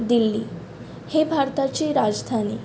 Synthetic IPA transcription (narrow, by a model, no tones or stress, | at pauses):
d̪ilːiː | hebʱaɾt̪at͡ɕiːɾad͡zd̪ʱani